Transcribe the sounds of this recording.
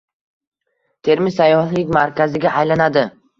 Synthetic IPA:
t̪ʰe̞ɾmɪsajːɒhlɪkʲmaɾkʲazɪɡʲaʔajlanad̪ɪ

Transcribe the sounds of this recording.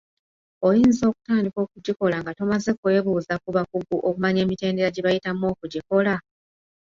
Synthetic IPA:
o̞jiːnzo̞ːku̥taːndiko̞ːkuɟiko̞laŋɡato̞maze̞kwe̞ːβuːzakuβakuɡuʔo̞kumaɲe̞ːmite̞ːnde̞ɾaɟeβajitamo̞ːkuɟiko̞la

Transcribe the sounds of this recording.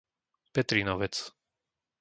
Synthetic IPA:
pɛt̪ɾinɔʋɛt͡s

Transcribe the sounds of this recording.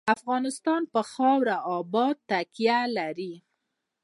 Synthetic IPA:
afɣɑnɪst̪ɑnpəxɑwɾaʔɑbɑd̪̚t̪ːakijalaɾi

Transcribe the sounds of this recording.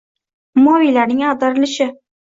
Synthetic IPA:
mɒvijlaɾnɪŋad̪ɪɾɪlɪʃɪ

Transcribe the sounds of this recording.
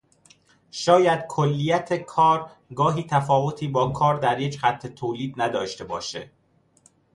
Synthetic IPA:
ʃɒːjæd̪̥kʰolːijæt̪ʰe̞kʰɒːɾ | ɡɒːɦiːt̪ʰæfɒːvo̞t̪ʰiːbɒːkʰɒːɾd̪æɾjecxæt̪ʰːe̞t̪ʰoːliːd̪næd̪ɒːʃt̪e̞bɒ̰ːʃḛ

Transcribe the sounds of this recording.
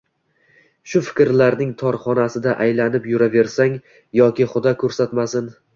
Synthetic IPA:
ʃʊfɪ̥kʲɾlaɾnɪŋt̪ʰɒɾχɒnasɪd̪aʔajlanɪpjʊɾave̞ɾsaŋ | jɒkʲɪχʊd̪ɒkʲʰɵɾsat̪masɪn

